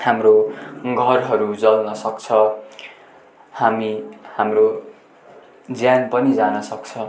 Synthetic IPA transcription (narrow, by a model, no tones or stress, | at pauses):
hamroɡʱʌrɦʌɾud͡zʌlnʌsʌkt͡sʰʌ | hamihamro | d͡zjanpʌnid͡zanʌsʌk̚t͡sʰʌ